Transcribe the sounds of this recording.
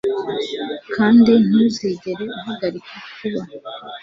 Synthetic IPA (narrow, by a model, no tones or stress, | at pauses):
kʰaːndin̥uziːɟe̞ɾe̞uɦaɡaɾikʰakuβa